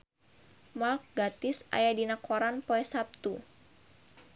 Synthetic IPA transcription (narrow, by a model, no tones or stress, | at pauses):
malk̚ɡat̪ɪsa̰jadinakɔɾanpoɛsap̚t̪u